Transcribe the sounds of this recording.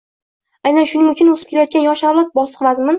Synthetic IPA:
ajnanʃʊnɪŋʊt͡ʃʰʊnozɪp̚kʲeɾajɒɔt̪̚kʲanjɒʃawlˠat̪̚bɒsɨ̥qvazmɪn

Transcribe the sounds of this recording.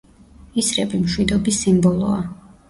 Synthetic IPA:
isɾɛbimʃwid̪ɔbisimbɔlˠɔ̰a

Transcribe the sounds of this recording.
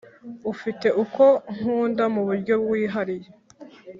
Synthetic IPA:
ufite̞ʔuko̞ŋ̥uːndamuβuɾɟo̞bɡwiːɦaɾije̞

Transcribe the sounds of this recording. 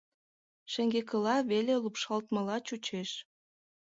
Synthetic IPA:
ʃĕŋɡekəlɑβelelupʃɑlt̪mə̆lɑt͡ɕut͡ɕeʃ

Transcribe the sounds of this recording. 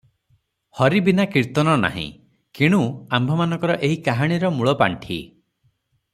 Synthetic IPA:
hɔɾibinakiɾt̪ɔnɔna̰ɦḭ̃ | kiɽ̃uambʱɔmanɔŋkɔɾɔʔeɦikaɦaɽ̃iɾɔmuɭɔpa̰ɳʈʰḭ

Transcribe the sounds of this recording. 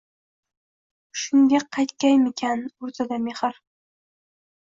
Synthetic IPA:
ʃʊnɡ̪ʲaqʰːɑjt̪kʲajmɪkʲʰanoɾt̪ʰad̪ameχɨɾ

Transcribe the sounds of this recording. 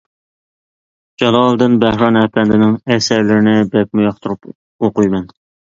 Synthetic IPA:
d͡ʒɑlˠɑlˠd̪ɨnbæhɾɑnɛpʰɛnd̪ɪnɪŋɛsæɾlɪɾɪnɪbɛk̚mujɑχt̪ʰuɾup | oqujmɛn

